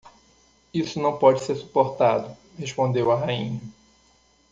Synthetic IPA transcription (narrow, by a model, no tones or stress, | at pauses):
isʊnɐ̃w̃pɔd͡ʒɪseɾsu̥poɾt̪ad̪ʊ | heʃpõnd̪ewɐɦaĩɲɐ